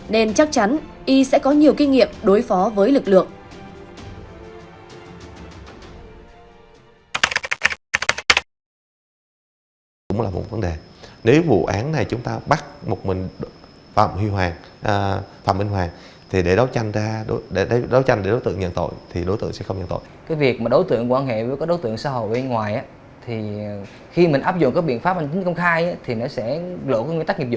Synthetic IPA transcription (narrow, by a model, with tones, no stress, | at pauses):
ne˧nt͡ɕa˦˥k̚t͡ɕa˨˦nʔi˧sɛ̰˧˥kɔ˨˦ɲi˨˩əwki˧ŋḭ˧˨əmɗo˨˦jfɔ˨˦vəː˨˦jlɨ˨˩k̚lɨ̰˧˨əŋ | kʊ̰˧˥ŋ͡mlaː˨˩mo̰˨˩və˨˦nɗe˨˩ne˨˦wvṵ˧˨ʔaː˨˦nːa˨˩jt͡ɕʊ˨˦ŋ͡mt̪aː˧ɓa˦˥t̚mo˨˩t̚mï˨˩ŋ̟ | fə̰˧˨˩mhwi˧ɦwaː˨˩ŋʔt̪ʰə̰˨˩mʔi˧ŋ̟ɦwaː˨˩ŋ | t̪ʰi˨˩ɗe˧˩ɗo˨˦wt͡ɕa˧jŋ̟zaː˧ɗo˨˦ɗe˧˩ɗe˧˩ɗo˨˦wt͡ɕa˧jŋɗe˧˩ɗo˨˦jt̪ɨ̰˧˨əŋɲə̰˧˨nt̪o̰˧˨jt̪ʰi˨˩ɗo˨˦t̪ɨ̰˧˨əŋsɛ̰˧˥xə˧ŋ͡mɲə̰˧˨nt̪o̰˧˨jkaː˨˦jvi˨˩ək̚maː˨˩ɗo˨˦jt̪ɨ̰˧˨əŋkwaː˧nhḛ˧˨vəː˨˦kɔ˨˦ɗo˨˦jt̪ɨ̰˧˨əŋsaː˧˦ɦo̰˧˨jʔnŋwaː˨˩jʔaː˨˦ | t̪ʰi˨˩ | xi˧mi˨˩ŋʔaː˦˥p̚zʊ̰˧˨ŋ͡mkaː˨˦˥ɓḭ˧˨ənfaː˦˥p̚ha˧˩ŋ̟t͡ɕi˨˦ŋ̟kə˧wŋ͡mxaː˧jʔaː˨˦t̪ʰi˨˩nɔ˨˦sɛ̰˧˥lo̰˧˨kːwi˧˥˦t̪a˦˥k̚ŋ̚˨˩zʊ̰˧˨